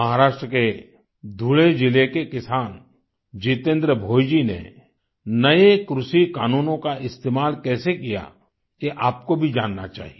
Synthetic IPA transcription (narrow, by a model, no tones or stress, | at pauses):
ɐɦaɾaːʃʈɾəke | d̪ʱuɭed͡ʒɪlekekɪsaːn | d͡ʒiːt̪ẽːnd̪ɾəbʱoːjd͡ʒinḛ | nɐekɾʊʃikaːnuːnõkaʔɪst̪eːmaːlkɛːsekija̰ | keʔaːp̚kobʱid͡ʒaːnːa̰t͡ʃa̰ːɦie